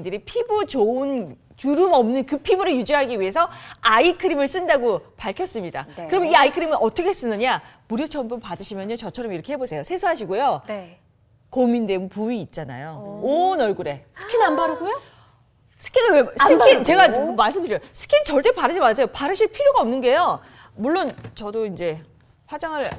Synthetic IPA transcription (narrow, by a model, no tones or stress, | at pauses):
dɯɾipʰibut͡ɕoun | t͡ɕuɾumʌmnɯnkɯpʰibɯɾɯɭjud͡ʑiɦaɡiɥiɦe̞sʰʌaikʰɯɾimɯɭs͈ɯndaɡopaɭkʰjʌs͈ɯmɲida̰kɯɾʌmʌniaikʰɯɾimɯnʔʌt͈ʌkʰees͈ɯnːɯɲamuɾjot͡ɕʰʌmbunpadɯɕʰimjʌɲjot͡ɕʌt͡ɕʰʌɾʌmiɾʌkʰe̞hebosʰe̞josʰe̞sʰuɦaɕʰiɡojo | kominde̞ɡupuiːt̚t͡ɕ͈ana̰joonʌɭɡuɾe̞sʰɯ̥kʰinanbaɾɯɡojo | sʰɯ̥kʰinɯwesɯkʰint͡ɕe̞ɡamaɭs͈ɯmdɯɾiosʰɯ̥kʰint͡ɕʌɭt͈e̞paɾɯd͡ʑimas̬ʰejopaɾɯɕʰipʰiɾjoɡaʌmnɯnɡejo | muɭːont͡ɕʌdoind͡ʑe̞ | ɸwad͡ʑaŋɯɭ